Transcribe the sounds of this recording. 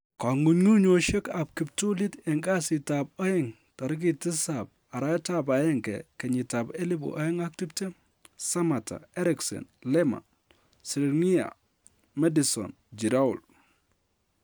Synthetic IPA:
ka˨ŋu˨ɲŋu˦ɲo˨ʃe˦ka˨p̚ki˨p̚tu˦li˦tɛ˨ŋɡa˦sɪ˨ta˨p̚ɔ˦ɪ˦ŋ | ta˨ɾɪ˦k̬i˨tɪ˦sa˨p̚ | a˨ɾa˦ta˦ba˨jɛ˦ŋkɛ̰˨kɛ˨ɲɪ˨ta˨pe˦li˦bo̰˨ʔɔ˦jɪ˦ŋa˦k̚ti˦pte˦m | sa˦ma˨ta̰˨ɛ˦ɾɪksɛ̰˨nlɛ˦ma̰˨ | si˨lŋi˦a̰˨ | mɛ˦di˨sɔ̰˨n | d͡ʒi˨ɾa˦ṵ˨l

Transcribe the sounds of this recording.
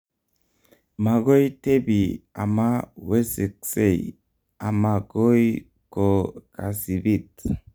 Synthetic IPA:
ma˨ɡo˦jte˦bi˨a̰˨ma˦we˦se˨kse˦˨j̰ | a˨ma˨ɡo˦i | ko˨ka˨si˨bi˦t

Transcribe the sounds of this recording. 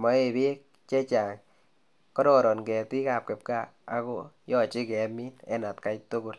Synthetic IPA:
mɔ˨˦e˨be˦k̚ | t͡ʃɛ˦t͡ʃa˨ŋ | kɔ˦dɔ˨ɾɔ˨nkɛ˨ti˦ka˨p̚kɛ˨p̚ka˦ | a̰˨˦ko˦jɔ˦˨t͡ʃɪ˦kɛ˨˦mi˦nɛ̰˦na˨tka˦jtu˦kʊ˨l

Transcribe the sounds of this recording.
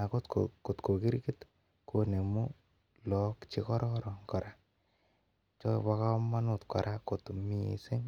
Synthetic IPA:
a˨ko˦t̪ko̰ko˨t̪ko˨ki˦ɾki˦t̪ | ko˦ne˨mu˦ | lɔ˨kt͡ʃi˦kɔ˦ɾɔ˦ɾɔ˨ŋkɔ˨ɾa˦ | t͡ʃɔ˦pa˧ka˦ma˦nu˦˨t̪kɔ̰˨ɾʔa˦ko˨t̪mḭ˨se˦ŋ

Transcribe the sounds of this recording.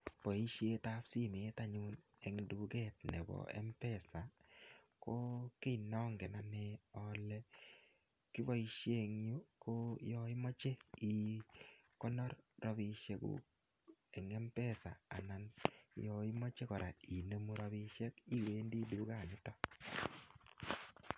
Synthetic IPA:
pɔ˨i˦ʃe˦ta˦psi˦me˨˦ta˦ɲu˦n | ɛ˨ŋdu˨kɛ˦˨t̚nɛ̰˨bɔ̰˨ɛ̰˦mpɛ˦˨sa˨ | ko˦ke˦inɔ˦ŋɡɛ˨na˨nɛ˨ɔ˦lɛ˦ | ki˦βɔ˦i˦ʃje˦ŋju˦ko˦jɔ˦i˦mɔ˦t͡ʃe˦i˨ | kɔ˦nɔ˦ɾrɔ˨βi˧ʃe˨kṵ˨ | ɛ˨ŋɛ˦mpɛ˦˨sa̰˨a̰˨na˨njɔ˨i˦mɔ˦t͡ʃe˦kɔ˨ɾa˨i˨ne˦mu˦ɾɔ˦βi˦ʃɛ˦ki˦weː˦ndi˦duː˨˦ka˨nɪ˦tɔ˦

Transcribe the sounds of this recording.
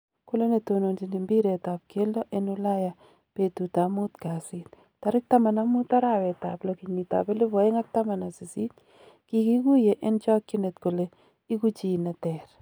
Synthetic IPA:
ko˦le˦ne˨to˨no˨nd͡ʒi˨ni˨mbi˦ɾe˨ta˨p̚ke˦lo˦ʔe˦nʊ˦la˦ja˨ | pe˦tu˨ta˨mu˦t̪ka˨sɪ˦t̪̚ | ta˨ɾɪ˦k̚ta˦ma˨na˦mu˦t̪a˦ɾa˦˨wɛ˨ta˨plo˨ki˨ɲni˨ta̰˨pe˦lɪ˦bɔ˨ɪ˦ŋa˦k̚ta˦ma˨na˨si˨si˦t | ki˨ki˦ɡu˦je˨ʔɛ˦nt͡ʃɔ˦kːɪ˦ne˨t̪ko˨le˨ | i˦ku˦t͡ʃi˨na˨tɛ˨ɾ

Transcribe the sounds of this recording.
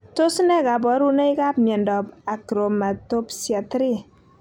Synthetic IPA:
to˦snɛ˦ka˨bɔ˨˦ɾu˦na˦i˦ka˦pmjɛ˨ndɔ˨pa˨kɾo˨ma˨to˦psja˨tɾi˦

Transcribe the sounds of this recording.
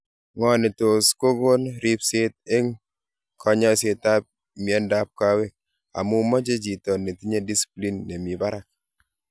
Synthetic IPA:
ŋɔ˨ne˨to˨sko˦ɡo˦nɾi˦pse˦t̚e˦ŋ | kʰɔ˦ɲɔ˦se˨ta˦p̚ | m˨ɛ˦nda˦p̚ka˦we˦k̚ | a̰˨mu˦mɔ˦d͡ʒe˦d͡ʒi˨tɔ˨nːe˨ti˦ɲe˦di˦si̥pli˦nːe˨mi˨ba˦ɾa˦k̚

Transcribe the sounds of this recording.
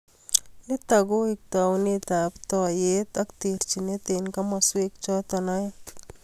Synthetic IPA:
ɪ˦t̪a˨ɡo˦ɪk̚t̪a˨wne˦t̪a˨pt̪ɔ˨je˦t̪ak̚t̪i˨ɾt͡ʃi˨ne˦t̪e˨nka˦maswe˦k̚t͡ʃɔ˦t̪ɔna˦ja˦

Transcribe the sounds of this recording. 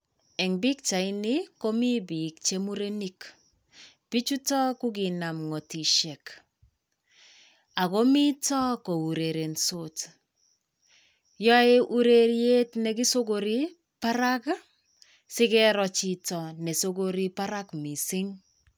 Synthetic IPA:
ɛ˨ŋbi˦k̚t͡ʃa˨ɪ˦nɪ˦ko˦mi˦bi˨k̚t͡ʃe˦mu˦ɾe˦ni˦k | pi˦t͡ʃu˦tɔ˦ku˦ki˨na˨mŋɔ˨ti˨ʃɛ˨k | a˨ko˦mi˦tɔ˦ko˨u˨ɾe˨ɾe˨nsot | jɔ˦e˦ʔu˦ɾe˨ɾje˦tnɛ˨ki˦so˦koɾi˦ | pa˦ɾa˦k | sɪ˦kɛɾɔ˨t͡ʃi˦tɔ˨nɛ˨so˦ko˦ɾi˦pa˦ɾa˦kmi˨sɪ˦ŋ

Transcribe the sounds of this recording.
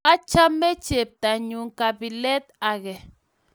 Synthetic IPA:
a˦t͡ʃa˦mːe˦t͡ʃe˨p̚ta˨ɲu˨ŋka˨bi˨lɛ˦t̪a˨ɣɛ˨

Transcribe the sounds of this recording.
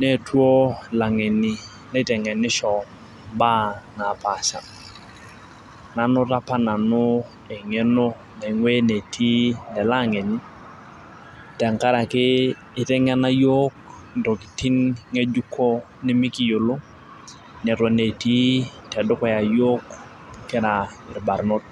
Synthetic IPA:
ne˦˨twɔ˦la˨ŋe˨ni˨ | nɛ˦˨tɛ˨ŋɛ˨nɪ˦ʃɔ˨ | ba˦na˨pa˨ʃa˨ | na˨nʊ˦ta˦pa˦na˨nʊ˦ | ɛ˨ŋe˦no˦ | nɛ˨ŋwe˦ne˨tʰi˦nɛ˨la˦ŋe˨ni˦ | tɛ˨ŋka˦ɾa˨kɪ˦ | ɪ˦tɛ˦ŋa˦na˦jo˦k | nto˨ki˨ti˦ŋŋe˦d͡ʒu˦kʰɔ˦ | nɪ˦mɪ˦ki˨jo˨lʊ˦ | nɛ˨twɔ˨ne˨ti˦tɛ˨dʊ˦kɔ˨ja˨jo˦k | kɪ˦ɾa˨ɪ˨ɾba˨ɾno˦t̚

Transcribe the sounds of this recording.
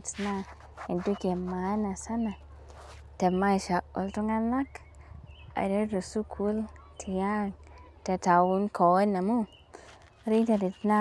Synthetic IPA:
tna˦ | i˨ndu˦ke˨ma˨˦na˨sa˦na˨ | te˨ma˦˨ʃa˨ʔṵ˨ltu˦ŋa˦la˦k | a̰˨de˦du˨su˦kʰu˦ltʰi˨ja˦˨ŋ | te˧ta˨wu˦nkʰo˨i˦na˨mu˦ | ɾi˦ŋta˨di˨tna˦

